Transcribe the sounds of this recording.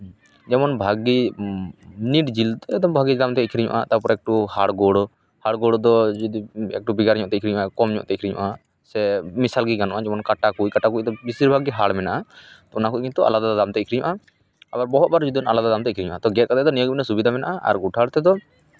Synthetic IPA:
d͡ʒɛmɔnbʱaɡi | niʈd͡ʒild̪ɔɛd̪ɔmbʱaɡid̪amt̪ɛikʰɾiɲṵʔa̰t̪apɔɾaɛk̚ʈuhaɽɡɔɽɔ | haɽɡɔɽɔd̪ɔd͡ʒud̪iɛ̰k̚ʈubiɡaɾɲɔ̃ʔt̪ɛikʰɾiɲṵʔakɔmɲɔ̰ʔt̪ɛikʰɾiɲṵ̃ʔa | sɛmisalɡiɡanɔʔad͡ʒɛmɔnkaʈakuckaʈakuc̚d̪ɔbisiɾbʱaɡiɦaɽmɛnaʔat̪ɔunakukint̪uʔa̰lad̪aad̪amt̪ɛikʰɾiɲṵ̃ʔa | abaɾbɔɦɔt̪̚baɾd͡ʒud̪iɔnalad̪ad̪amt̪ɛikʰɾiɲṵʔat̪ɔɡɛt̪kad̪ɛd̪ɔnijɔɡinasubid̪ʱamɛnaʔaa̰ɾɡuʈʰaɽt̪ɛd̪ɔ

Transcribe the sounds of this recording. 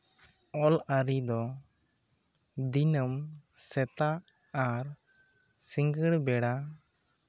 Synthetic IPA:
ɔləɾid̪ɔ | d̪inəmsɛt̪aː | ɾ | siŋɡəɽbɛɽa

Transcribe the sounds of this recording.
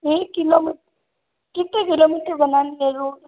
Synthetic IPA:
ekilomiʈ | kɪt̪ːek̬ilomiʈɾbɐnalieɾo

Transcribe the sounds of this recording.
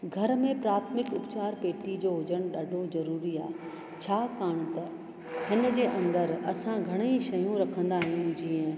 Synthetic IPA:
ɡʱɐɾmẽpɾaːt̪ʰmɪkʊpt͡ɕaːɾpeːʈid͡ʑoːɦʊd͡ʑəɽ̃ʊɗaɖʱozɐɾuːɾiaːɦe | t͡ɕʰaːkaːɽ̃t̪ɐ | ɦɪnd͡ʑeːʔɐ̃nd̪əɾɐsãɡʱɐɽ̃eiʃɐjũɾɐkʰə̃nd̪aːɦijũd͡ʑiːə̃

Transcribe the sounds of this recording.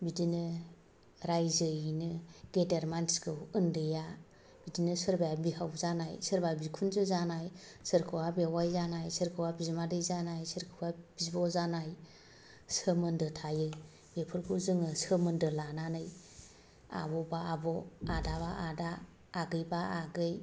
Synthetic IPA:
bidinɯ | ɾajzɯjnɯɡedeɾmansɡʰɯwɯndɯja | b̥idinɯsɯɾbajabihawzanajsɯɾbabikʰunzɯzanajsɯɾkʰɯwabewajzanajsɯɾkʰɯwabizmadɯjzanajsɯɾkʰɯwab̥izbɔzanaj | sɯmɯndɯtʰajɯ | bepʰɯɾkʰuzɯŋɯsəmɯndɯlananɯj | a̰bɔbaːbɔadabaʔadaː | ɡɯjbaːɡɯj

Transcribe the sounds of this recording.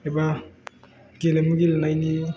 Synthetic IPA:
eba | ɡelemuɡilnajni

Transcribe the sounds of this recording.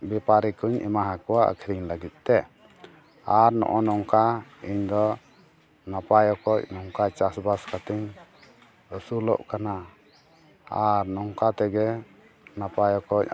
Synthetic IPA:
bɛpaɾikuɲɛ̰maɦakɔwaə̰kʰiɾiɲləɡit̪̚ˀt̪ɛ | aɾnɔ̰ʔɔnɔŋkaiɲd̪ɔ | napajɔkɔc̚nɔŋkat͡ʃasbaskat̪iɲ | əsulɔ̰ʔkana | aɾnɔŋkat̪ɛɡɛ | napajɔkɔc̚

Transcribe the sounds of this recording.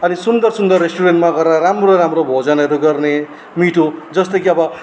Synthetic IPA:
ʌnisund̪ʌrsund̪ʌrːesʈuɾenʈmaɡʌɾaɾamroɾamrobʱod͡zanʌɾoɡʌrne | miʈʰod͡zʌst̪ʌjkiʌbʌ

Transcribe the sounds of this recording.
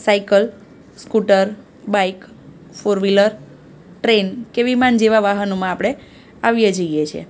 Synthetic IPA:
saikəl | skuʈəɾ | baik | foɾʋiləɾ | ʈɾenkeʋimand͡ʒeʋaʋaɦənomãːpɽ̃e | aʋjed͡ʒəijet͡ʃʰḛ

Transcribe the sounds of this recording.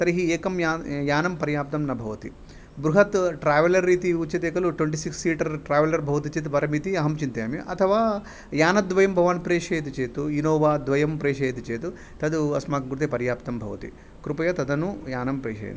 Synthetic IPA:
t̪ɐɾiɦieːkɐmjaːjaːnɐmpɐɾjaːp̚t̪ɐmnɐbʱɐʋɐt̪ḭ | bɾuɦɐt̪ʈɾaːʋɐlɐɾːiːt̪iut͡ʃːɐt̪eːkɐluʈʋeɳʈ̬isiksːiːʈɐɾʈɾaːʋɐlɐɾbʱɐʋɐt̪̬it͡ʃeːt̪upɐɾɐmit̪iɐɦɐmt͡ʃint̪eːmiʔɐt̪ʰɐʋaː | jaːnɐd̪ʋɐjɐmbʱɐʋaːnpɾeːʂɐːjɐt̪it͡ʃeːt̪uinoːʋaːd̪ʋɐjɐmpɾeːʃɐjɐt̪it͡ʃeːt̪u | t̪ɐd̪uɐsmaːkɐɡɾut̪ipɐɾjaːp̚t̪ɐmbʱɐʋɐ̰t̪ḭ | kɾupɐjɐt̪ɐd̪ɐnujaːnɐmpɾeːʃɐ̰j̰n

